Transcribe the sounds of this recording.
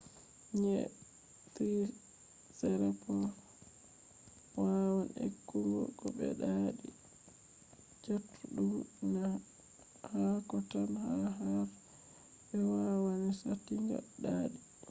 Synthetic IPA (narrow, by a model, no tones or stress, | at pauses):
ɲɛ | t̪i | sɛɾapɔ | wawanḛkːuŋɡɔ̰kɔbɛ̰ɗaɗi | d͡ʒatʰːuɗumna | hakɔtanhaɦaɾ | bɛwawanisatiŋɡa̰ɗaːɗi